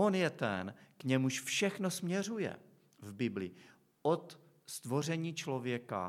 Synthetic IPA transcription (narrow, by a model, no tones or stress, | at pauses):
onjɛt̪ɛnkɲɛmuʃfʃɛxno̞smɲɛr̝ujɛ̰ | vbɪblɪ | ʔot̪ | st̪vo̞r̝ɛɲiːt͡ʃlo̞vjɛka̰